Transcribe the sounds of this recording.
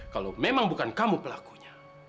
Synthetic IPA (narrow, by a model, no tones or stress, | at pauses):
kalo̰memaŋbukankamupəlaku̥ɲḁ